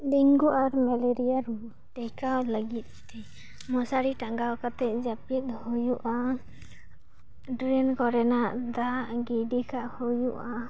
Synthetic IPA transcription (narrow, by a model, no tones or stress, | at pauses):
diŋɡuʔaɾmɛleɾijaɾu | ʈɛjkawləɡit̪̚ˀt̪ɛ | mɔsaɽiʈaŋɡawkat̪ɛt̪̚d͡ʒapit̪̚hujuʔa | ɖɾɛnkɔɾɛnaʔd̪aʔɡiɖikaʔhujuʔa